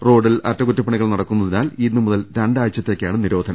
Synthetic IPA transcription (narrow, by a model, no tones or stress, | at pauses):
ro̞ːɖilɐtːɐkutːɐpːɐɳiɣɐɭnɐɽɐkːunːɐðinaːlinːumuðɐlɾeɳɖaːjt͡ɕːɐt̪ːe̞ːkʲːjaːɳɨniɾo̞ːd̪ʱɐnɐ